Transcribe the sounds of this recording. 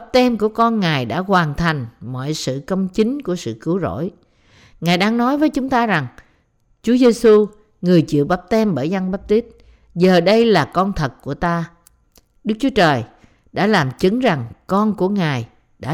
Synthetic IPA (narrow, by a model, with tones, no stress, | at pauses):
a˦˥p̚t̪ɛ˧mku˧˩əkɔ˧nŋaː˨˩jɗa̰ː˧˥kwaː˨˩nt̪ʰa˨˩jŋ̟mɔ̰˧˨jsɨ̰˧˨kə˧wŋ͡mt͡ɕï˨˦ŋku˧˩əsɨ̰˧˨kɨ˨˦wzo̰˧˥˨j | ŋaː˨˩jɗaː˧ŋnɔ˨˦jvəː˨˦jt͡ɕʊ˨˦ŋ͡mt̪aː˧za˨˩ŋ | t͡ɕu˨˦əze˧su˧ | ŋɨ˨˩əjt͡ɕḭ˧˨əwɓaː˦˥p̚t̪ɛ˧mɓəː˧˩jza˧ŋɓaː˦˥p̚t̪i˦˥t̚ | zəː˨˩ɗə˧jlaː˨˩kɔ˧nt̪ʰə˨˩t̚ku˧˩ət̪aː˧ | ɗɨ˦˥k̚t͡ɕu˨˦ə˦t͡ɕəː˨˩j | ɗa̰ː˧˥laː˨˩mt͡ɕɨ˨˦ŋza˨˩ŋkɔ˧nku˧˩əŋaː˨˩j | ɗa̰ː˧˥